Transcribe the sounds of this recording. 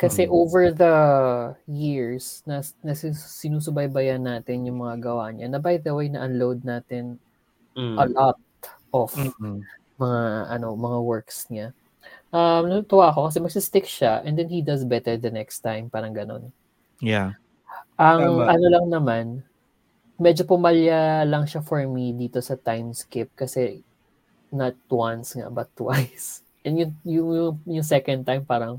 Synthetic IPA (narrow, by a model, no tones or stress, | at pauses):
kɐsɛʔowvɛɹðɐ | jiɹsnɐnɐsisɪnuːs̬ʊbɐjbɐjɐnːaːt̪ɪnjʊŋmɐŋaɡɐwaɲɐnɐbajðɐwejnɐ̰ʔɐnlowd̪̚naːt̪ɪn | ʔɐlɔt̪̚ʔɔf | mɐŋaʔɐ̰no̞mɐŋawɛɹksɲa | ʔɐmnɐt̪ʊt̪ɐwaʔɐko̞kɐsɛmɐɡ̚sɪst̪ɪkʃaʔɛ̃nd̪ɛnhid̪ɐsbɛt̪ɛɹd̪ɐnɛkst̪ajmpaːɾɐŋɡɐno̞̰n | ja | ʔɐŋɐnolɐŋnɐman | mɛd͡ʒopʊmɐljalɐŋʃafɔɹmid̪iːt̪o̞sɐt̪ajmskɪp̚kɐsɛ | nɐt̪̚wansŋa̰bɐt̪ːwajs | ʔɛnjʊŋjʊŋʊŋjʊŋsɛkɐnd̪̚t̪ajmpaːɾɐŋ